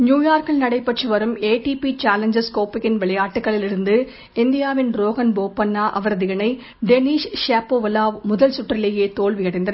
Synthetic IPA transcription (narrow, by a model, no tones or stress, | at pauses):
njuːjaːɾkɪlnɐɽɐɪpːɐʈrɯʋɐɾɯmeːʈipit͡ʃaːlɐɲd͡ʒɐskoːpɪkːɪnʋɛɭɐjaːʈːɯkːɐɭɪlɪɽɯnd̪ɯ | ɪnd̪ɪjaːʋɪnɾoːɣɐnboːpːɐnːaːʔɐʋɐɾɐðɪɣɐnɐɪ | ɖɛniːʂʃaːpːoːʋɐlaːʋmʊðɐlsʊʈːrɪleːjeːt̪oːɭʋɪɣɐɽɐɪnd̪ɐnɐ